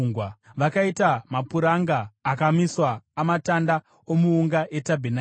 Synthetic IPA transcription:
ŋɡwaʋakaitamapuɾaŋɡaːkamiswaːmatanda | omuuŋɡaʔe̞tabʱena

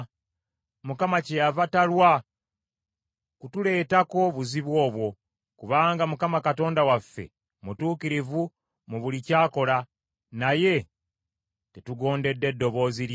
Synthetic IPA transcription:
mukamacejavatalwa | kutule̞ːtako̞βuziβwo̞ːβwo̞ | kuβaːŋɡamukamakato̞ːndawafːḛ | mutuːkiɾivu | muβulicaːko̞la | naje̞ | tetuɡo̞ːnde̞dːe̞dːo̞βo̞ːziɾ

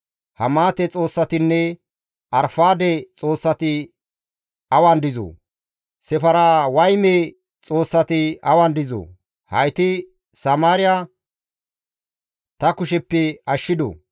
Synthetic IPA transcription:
hɐmaːt̪ɛt͡sʼo̞ːsːɐt̪ɪnːɛ | ɐɾfaːd̪ɛt͡sʼo̞ːsːɐt̪ɪ | ɐwɐnd̪ɪzo̰ː | sɛfɐɾawɐjme | t͡sʼo̞ːsːɐt̪ɪɐwɐnd̪ɪzo̰ː | hɐjt̪ɪ | sɐmaːɾɪja | t̪ɐkʊʃɛpːɛɐʃːɪd̪o̰

